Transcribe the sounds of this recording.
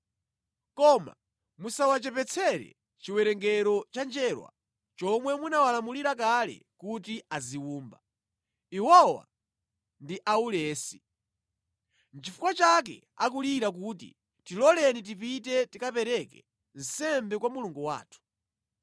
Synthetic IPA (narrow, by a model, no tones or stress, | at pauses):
kɔma̰ | musawat͡ʃɛpɛt͡sʰɛɾɛ̰ | t͡ʃiwɛɾɛŋɡɛɾɔt͡ʃand͡ʒɛːɾwa̰ | t͡ʃɔmwɛmunawalamuliɾak̬alɛ̰kut̬iaziwuːmba | ihɔwa̰ | ndiʔaulɛːsi | n̩t͡ʃifu̥kwat͡ʃak̬ɛ̰ | ak̬uliɾak̬uːtḭ | tilɔlɛnit̬ipitɛtikapɛɾɛkɛ̰ | n̩sɛmbɛkwamuluŋɡuwa̰ːtʰu̥